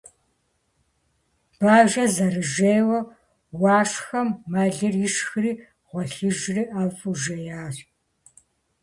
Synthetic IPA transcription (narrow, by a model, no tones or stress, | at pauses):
b̥aːʒɐzɐrɨʒeːwɐ | wɑːʂxɐmːɐɮɨrjɪʃxɨriː | ʁ̥ʷɔɬɨʒriːʔɐvʼuʒɐjaːr